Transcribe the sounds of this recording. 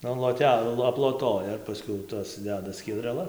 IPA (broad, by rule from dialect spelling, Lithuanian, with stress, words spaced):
ɐn lˠoːˈtʲɛ ɐplˠoːˈtoːjɛ ɪr pɐˈsʲkʲɛʊ ˈtɐs ˈdʲæːdɐ sʲkʲiɛdʲrʲɛˈlˠɐs